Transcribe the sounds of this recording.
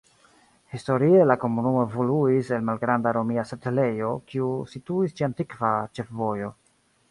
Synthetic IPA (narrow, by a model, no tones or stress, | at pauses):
histo̞ɾie̞lako̞munumo̞evoluise̞lmalɡɾandaɾo̞miasatle̞jo̞kiusituist͡ʃiantikvat͡ʃe̞fvo̞jo̞